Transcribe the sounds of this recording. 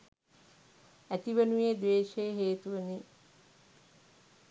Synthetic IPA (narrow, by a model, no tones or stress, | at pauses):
æt̪iʋənujed̪ʋeːʃejəɦeːt̪uʋəni